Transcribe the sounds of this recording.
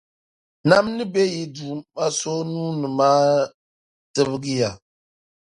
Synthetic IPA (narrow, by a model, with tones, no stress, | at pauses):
na˦mnɨ˦be˦ji˦duː˨ma˦so˦nuː˦nɨ˨maː˦ | tɨ˦bɨ˦ɡɨ˦ja˨